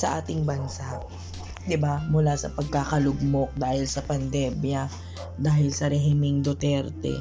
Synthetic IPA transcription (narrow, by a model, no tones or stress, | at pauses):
sɐʔaːt̪ɪŋbɐnsaʔ | d̪ɪbamʊlaːsɐpɐɡ̚kakɐlʊɡ̚mok̚d̪aːhɪlsɐpɐnd̪ɛmjɐ | d̪aːhɪlsɐɾɛɦɪmɪŋd̪ot̪ɛɾt̪ɛ̰